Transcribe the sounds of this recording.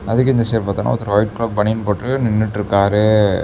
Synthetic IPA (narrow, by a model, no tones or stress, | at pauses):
ɐðɯkːɪnd̪ɐseːpːɐt̪ːaːna̰ːɔt̪ːɐɾoːjʈ̚klaːb̚bɐɳɪnpoːʈːɯnɪnːɪʈːɪɾɯkːaːɾe